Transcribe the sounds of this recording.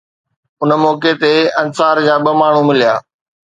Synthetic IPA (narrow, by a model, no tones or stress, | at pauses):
ʊnəmɔːket̪eɐnsaːɾd͡ʑaːɓɐmaːɳ̤umɪlija̰ː